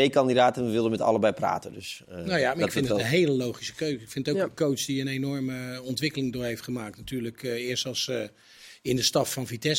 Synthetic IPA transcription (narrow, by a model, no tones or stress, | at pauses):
ejkɑndidaːtənəʋɪlˠdəmɛtɑ̰ləbɛjpra̰ːtəndøsnojaɪfɪnənɦejləlowχisə̥køɥzɪkfɪnttokkowtsdiənejnɔɹməɔntʋɪkəlɪŋdʊːɹɦejftχəmaːk̚tnatyːɹləkɪːstɑlˠs | ɪndəstɑffɑnfitɛs